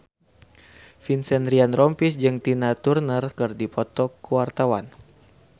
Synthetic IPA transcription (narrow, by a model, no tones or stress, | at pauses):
finsɛndɾianrɔmpisd͡ʒɨŋt̪inat̪urnərkɨrdipɔt̪ɔkuwart̪awan